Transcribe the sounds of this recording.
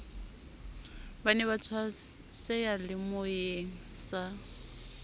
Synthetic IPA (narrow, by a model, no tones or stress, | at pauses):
banɛβat͡sʰwa | sɛjalɪmojeŋ̩ | sa